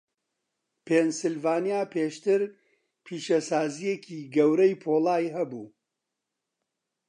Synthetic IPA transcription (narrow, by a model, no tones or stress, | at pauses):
pʰensɨlvaːnijaːpʰeːʃt̪ɨɾ | pʰiːʃɐsaːzijecʰiːɡɐwɾɐjpʰoːlˠaːjɦɐbṵː